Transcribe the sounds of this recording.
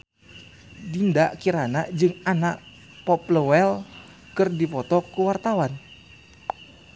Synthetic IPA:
dindaʔkiɾanad͡ʒɨŋanaʔ | pɔpləwɛl | kɨrdipɔt̪ɔkuwart̪awan

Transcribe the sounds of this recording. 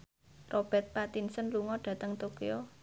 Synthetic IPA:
rʔob̥ɛ̤t̪̚pat̪insənluŋɔɖ̥ä̤t̪əŋt̪okio

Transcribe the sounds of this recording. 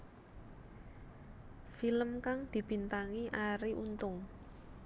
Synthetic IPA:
filəmkaŋd̪̥i̤b̥i̤nt̪aŋiʔaɾiʔunt̪ʊŋ

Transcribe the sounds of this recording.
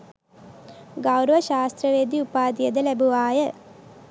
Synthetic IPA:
ɡɐwɾəʋɐʃaːst̪ɾəʋeːd̪iupaːd̪ijəd̪əlæbuʋaːjə

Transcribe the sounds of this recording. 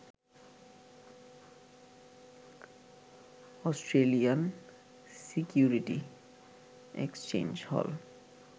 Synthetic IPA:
ɔsʈɾelijan | sikjuɾiʈi | ḛkst͡ɕḛ̃nd͡ʑhɔ̰l

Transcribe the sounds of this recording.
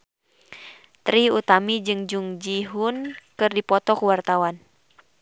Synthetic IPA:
t̪ɾiut̪amid͡ʒɨŋd͡ʒuŋd͡ʒiɦunkɨrdipɔt̪ɔkwart̪awan

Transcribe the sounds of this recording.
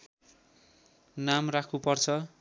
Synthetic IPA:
namrakʰupʌrt͡sʰʌ

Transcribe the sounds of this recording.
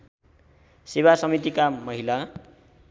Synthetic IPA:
sebasʌmit̪ikamʌɦila

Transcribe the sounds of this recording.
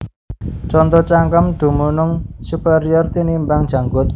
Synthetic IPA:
t͡ʃɔnt̪ɔt͡ʃaŋkəmɖ̪̥ṳmunʊŋsupeɾiɔrt̪inimbaŋd̥ʒ̥ä̤ŋɡʊt̪̚

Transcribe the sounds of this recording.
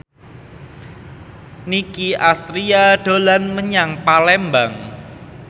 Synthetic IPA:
nikiʔast̪ɾiaɖ̥o̤lanməɲaŋpalɛmbaŋ

